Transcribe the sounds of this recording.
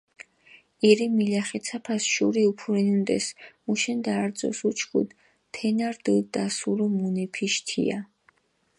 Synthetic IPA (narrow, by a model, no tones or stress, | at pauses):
iɾimilaχɛt̪sʰapʰasʃuɾiupʰuɾɛnund̪ɛ̰smuʃɛnd̪aːɾd̪zʼɔ̰sut͡ʃʰkʰṵd̪ | pʰɛnaɾd̪ɨd̪asuɾɔmunɛpʰiʃt̪ʰḭa̰